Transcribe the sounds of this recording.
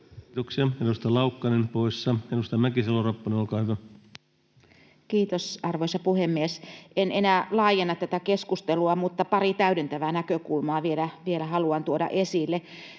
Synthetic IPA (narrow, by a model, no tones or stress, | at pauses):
t̪oksiɑedust̪ɑlɑukːɑnenpoisːɑedust̪ɑmækiselːorɑpːɑnenolkɑːhyʋæ | kiːt̪osɑrʋoisɑpuhemːiesenenæːlɑːjenːɑt̪t̪ːæt̪ækeskust̪eluɑmut̪ːɑpɑrit̪æydent̪æʋænækøkulmɑːʋielæʋielæhɑluɑnt̪uodɑ̰ʔesilːe